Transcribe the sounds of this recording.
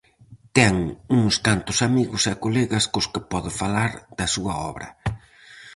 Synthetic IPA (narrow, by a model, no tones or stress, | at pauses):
t̪ɛŋuŋst̪ant̪ʊsamiɣʊsakolɛɣɐskʊskɪpɔðɪfalaɾd̪ɐsuɐɔ̰βɾɐ̰